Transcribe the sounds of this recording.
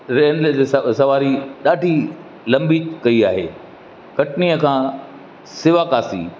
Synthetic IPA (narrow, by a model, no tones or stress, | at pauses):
ɾeːnld͡ʑeːsɐʋaːɾiɗaːɖʱi | lɐ̃mbikɐiaːɦeː | kɐʈniəkʰãː | sɪʋaːkaːsḭː